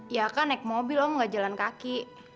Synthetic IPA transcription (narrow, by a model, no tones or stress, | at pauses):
jakanɛk̚mobilɔmŋɡad͡ʒalankakiʔ